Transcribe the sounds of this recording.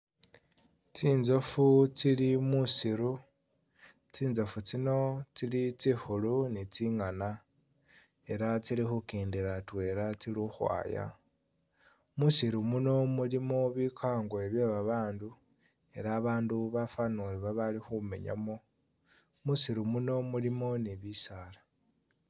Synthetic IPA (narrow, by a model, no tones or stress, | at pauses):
t͡siːnzo̞fut͡silimusiɾu | t͡siːnzo̞fut͡sino̞t͡silit͡sixulunit͡siŋana | e̞ɾat͡silixukeːndiɾatwe̞ɾat͡siluxwa̰ːja̰ | musiɾumuno̞mulimoβikʰaːŋɡwoeβjeβaβaːndu | e̞ɾaːβaːnduβafanuliβaβalixume̞̰ɲa̰mo̞ | musiɾumuno̞mulimo̞niβisala